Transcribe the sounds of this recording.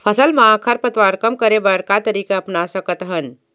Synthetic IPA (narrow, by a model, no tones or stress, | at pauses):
pʰəsəlmãakʰəɾpət̪ʋaɾkəmkəɾebəɾkat̪əɾiːkeɐpnasəkət̪ɦən